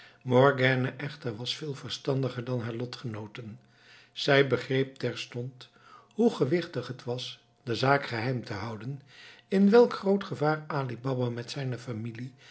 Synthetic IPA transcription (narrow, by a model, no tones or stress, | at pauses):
mɔɹɡɛːnəʔɛχtəɹʋɑsfɪːlˠvəɹstɑndəχəɹdɑnɦaːɹlɔtχənowtən | z̥ɛjbəχrejp̚tɛɹstɔnt | ɦuχəʋɪχtəχɦətʋɑs | d̥əzaːkχəɦɛjmtəɦɑwdənɪnʋɛlˠkχrowtχəvaːraːlibɑbamɛtsɛjnəfamili